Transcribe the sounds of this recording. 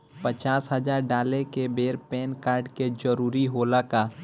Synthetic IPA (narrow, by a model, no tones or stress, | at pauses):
pət͡ʃaːsɦəd͡ʒaːɾɖaːlekebeːɾpɛːnkaːɾɖked͡ʒəɾuːɾiɦoːlakaː